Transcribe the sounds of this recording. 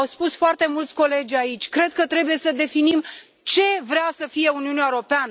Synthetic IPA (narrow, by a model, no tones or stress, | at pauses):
wspusfoart̪e̞mult̪sʲko̞le̞d͡ʒʲait͡ʃʲkɾe̞d̪̚kət̪ɾe̞buje̞səd̪e̞finim | t͡ʃe̞vɾeasəfije̞uniuneaeɾo̞peanə